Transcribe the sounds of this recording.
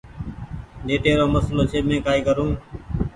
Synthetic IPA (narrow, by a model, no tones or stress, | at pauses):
neːʈ̪eːɾoːməsloːt͡ʃʰeːmẽːkaːiːkəɾũː